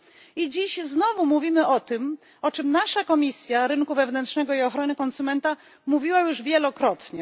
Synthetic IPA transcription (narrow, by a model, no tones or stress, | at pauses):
id͡ʑiɕznɔvumuvʲimɘʔɔt̪ɘm | ɔt͡ʂɘmnaʂakɔmʲisʲjaɾɘnkuvɛvnɛntʂnɛɡɔiɔxɾɔnɘkɔnsumɛnt̪a | muvʲiwajuʐvʲjɛlɔkɾɔt̪ɲɛ